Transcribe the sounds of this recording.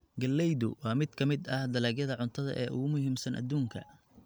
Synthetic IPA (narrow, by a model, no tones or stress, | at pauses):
ɡɐlːɛjðʊ̰wɑːmɪd̪kʰɐmɪd̪ɐhd̪ɐlɛːɡjɐðɐʕʊnt̪ʰɐðɐ̰ʔɛːʔʊ̰ɣʊmʊɦiːmsɐnʔɐ̰d̪uːŋkʰɐ̰